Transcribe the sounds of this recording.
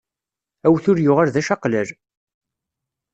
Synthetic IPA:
æwθʊɾjʊʁaɾðæʃɑqləl

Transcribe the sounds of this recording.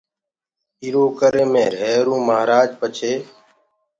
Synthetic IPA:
iɾoːkəɾeːmẽːɾɛːɾũːməːɾaːd͡ʒpət͡ʃʰeː

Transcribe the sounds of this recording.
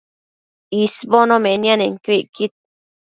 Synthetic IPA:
isbonomenjaneŋkiʔkit̪̚

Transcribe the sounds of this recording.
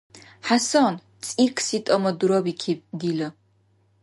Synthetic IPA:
ħasɔːn | t͡sʼirkʰsit̪ʼɔmɔd̪uɾɔbikʰiɡilɐ

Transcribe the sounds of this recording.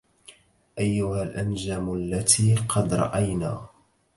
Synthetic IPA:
ʔajːʊhalʔand͡ʒaːmalːat̪ʰiːqʰɑd̪ɾˤɑ̰ʔajnaː

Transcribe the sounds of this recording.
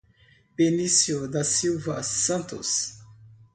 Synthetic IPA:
penisjod̪ɐsiwvɐsɐ̃nt̪ʊ̰s

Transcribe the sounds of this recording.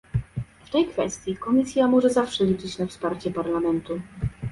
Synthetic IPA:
ft̪ɛjkfɛst̪ʲjikɔmʲisʲjamɔʐɛzafʂɛlʲit͡ʂɘt͡ɕnafspaɾt͡ɕɛpaɾlamɛnt̪u

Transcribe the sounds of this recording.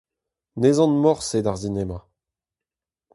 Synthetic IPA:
nezɑ̃nmɔʁsed̪aʁsinɛma

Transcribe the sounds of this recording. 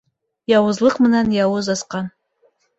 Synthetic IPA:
jawʊzlɨqʼmɨnanjawʊzasqʼan

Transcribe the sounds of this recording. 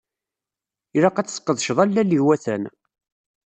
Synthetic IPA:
iɾɑqæt͡sːsqːəðˤʃðˤælːæliwæθæ̰n

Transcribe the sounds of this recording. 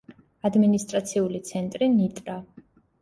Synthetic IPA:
ad̪minist̪ʼɾat̪sʰiulit̪sʰɛnt̪ʼɾinit̪ʼɾa

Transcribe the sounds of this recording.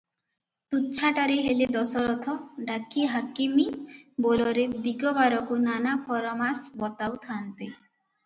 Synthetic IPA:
t̪ut͡ʃʰaʈaɾeɦeled̪ɔsɔɾɔt̪ʰɔɖakiɦakimibolɔɾed̪iɡɔbaɾɔkunanapʰɔɾɔmasbɔt̪awt̪ʰant̪i

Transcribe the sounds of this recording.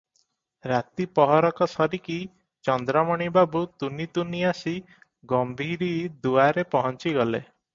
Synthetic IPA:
ɾat̪ipɔɦɔɾɔkɔsɔɾiki | t͡ʃɔnd̪ɾɔmɔɽ̃ibabut̪unit̪uniasi | ɡɔmbʱiɾid̪uaɾepɔɦɔnt͡ʃiɡɔlḛ

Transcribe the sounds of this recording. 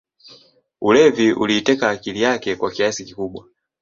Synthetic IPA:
ulɛviʔṵliːtɛkaːkilijakɛkwakiasikikuɓwa

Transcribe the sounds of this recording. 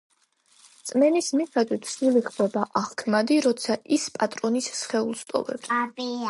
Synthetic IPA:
t̪sʼmɛnismiχɛd̪wit̪ʰsiliχbɛbaʔaʁkʰmad̪iɾɔt̪sʰaʔispʼat̪ʼɾɔnisːχɛulˠst̪ʼɔ̰vɛ̰b

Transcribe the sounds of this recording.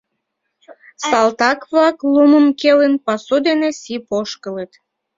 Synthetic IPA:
sɑlt̪ɑkβlɑkluməmkelənpɑsud̪enesipoʃkələt̪

